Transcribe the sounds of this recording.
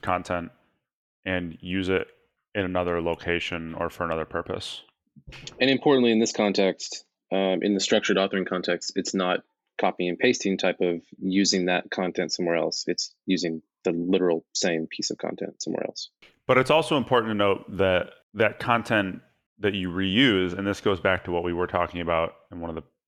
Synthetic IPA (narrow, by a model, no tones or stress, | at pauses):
kʰɑ̃ntʰɛ̃nt̚ | ʔɨ̃njʉzɪɾ | ɨ̃nɨnʌðə˞loʊkʰeɪʃɨ̃nə̰˞fə˞ɨnʌðə˞pʰɜ˞pə̰s | ɨ̃ñɨ̃mpʰɔɹʔn̩ʔliɨ̃nðɪskʰɑ̃ntʰɛkst | ʔɨ̰̃nðɨstɹ̥ʌk̚t͡ʃə˞ɾɔθə˞ɪ̃ŋkʰɑ̃ntʰɛkstɨtsnət̚ | kʰɑpiɪ̃ŋpʰeɪstʰĩŋtʰaɪpʌvjʉzɪ̃ŋðɨt̚kʰɑ̃ntʰɛ̃ntsʌ̃mwɛɹɛ̰lˠsɨtsjʉzɪ̃ŋ | ðəlɪɾə˞l̩ˠsẽɪ̃mpʰisʌv̥kʰɑ̰̃ntʰɛ̰̃ntsʌ̃mwɛ̰ɹɛ̰lˠs | b̥ʌɾɨtsɔlˠsoʊə̃mpʰɔɹʔn̩tʰɨnoʊt̪̚ðɨt̪̚ | ðɨt̚kʰɑ̃ntʰɛ̃n | ðɨt͡ʃɨɹijʉzɨ̃nðɪsɡ̥oʊzbæk̚tʰəwʌt̚wiwə˞tʰɔkɪ̃ŋɨbaʊɾɨ̃n̩wʌ̃nʌvðə